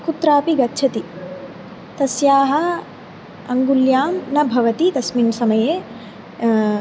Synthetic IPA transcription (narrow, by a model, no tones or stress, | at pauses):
kut̪ɾaːpiɡɐtːt͡ʃʰɐt̪i | t̪ɐsjaːɦɐ | ɐŋɡuljaːmnɐbʱɐʋɐt̪it̪ɐsminsɐmɐjeː